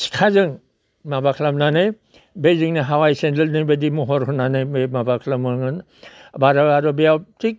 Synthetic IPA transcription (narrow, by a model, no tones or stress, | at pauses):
si̥kʰazɯŋ | mabakʰlamnanɯj | beziŋniɦawajsendelnɯjbadimɔɦɔɾɦɔnanajmemabakʰlamɔŋɯn | baɾaaɾɔbijawtik̚